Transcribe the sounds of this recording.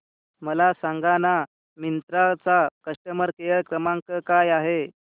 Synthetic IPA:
məlasaŋɡana | mint̪ɾat͡sakəʂʈəməɾkejəɭkɾəmãŋkəkajaɦe

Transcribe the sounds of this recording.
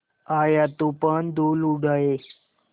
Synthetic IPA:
ajat̪upəɳd̪uluɽaje

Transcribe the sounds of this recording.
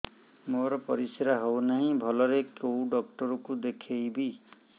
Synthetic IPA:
moɾɔpɔɾisiɾaɦownaɦĩbʱɔlɔɾekowɖɔk̚ʈɔɾɔkud̪ekʰejbi

